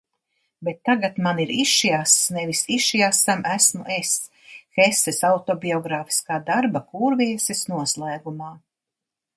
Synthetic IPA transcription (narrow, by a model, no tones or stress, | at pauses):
bet̪ːaɡat̪maniɾiʃjasnɛvisiʃjasamʔæsmuʔes | xɛsɛsawt̪ɔbiɔɡɾaːfi̥skaːd̪aɾbakuːɾviɛsɛsnuɔslˠæːɡumaː